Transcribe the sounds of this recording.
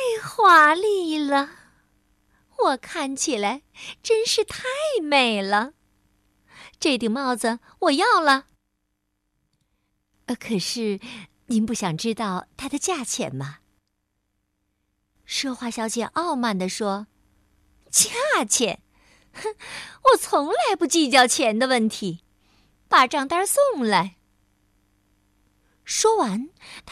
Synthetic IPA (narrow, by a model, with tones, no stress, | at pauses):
ɪxwa˥li˥˩lə˩ | wɔ˨˩kʰa˥˩nt͡ɕʰi˨˩la˧˥ɪʈ͡ʂə˥nʂɻ̩˥˧t̪ʰa˥˩ɪme˨˩ɪlə˦ | ʈ͡ʂɤ˥˧˩t̪ji˨˩ŋmɑ˥˩ʊd͡zə˧˩ | wɔ˨˩jɑ˥˩ʊlə˩ | ə˧kʰɤ˨˩ʂɻ̩˥˩ | ni˧˥npu˥˩ɕjɑ˨˩ŋʈ͡ʂɻ̩˥t̪ɑ˥˧ʊt̪ʰa˥d̪ə˨t͡ɕja˥˩t͡ɕʰjɛ̰˨˩nmɐ˧ | ʂɔ˥xwa˥˩ɕjɑ˧˥ʊt͡ɕjɛ˨˩ʔɑ˥˧ʊma˥˩nd̪ə˩ʂwɔ˥ | t͡ɕja˥˩t͡ɕʰjɛ̰˨˩˦n | wɔ˨˩t͡sʰʊ˧˥ŋla˥˧ɪpu˥˩t͡ɕi˥˧t͡ɕjɑ˥˩ʊt͡ɕʰjɛ˧˥nd̪ə˧wə˥˩nt̪ʰi˧˥ | pa˨˩ʈ͡ʂɑ˥˩ŋt̪a˥˧˥sʊ˥˩ŋla˧˥ɪ | ʂwɔ˥wa˧˥nt̪ʰ